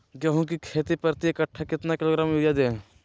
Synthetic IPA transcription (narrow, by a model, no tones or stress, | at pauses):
ɡɐɦũk̬ikʰeːt̪ipəɾt̪iekəʈʰːakɪt̪nakɪloːɡɾaːmujad̪ẽː